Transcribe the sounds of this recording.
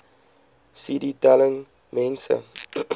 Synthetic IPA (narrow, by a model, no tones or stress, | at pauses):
siditɛləŋ | mɛ̃nsə̰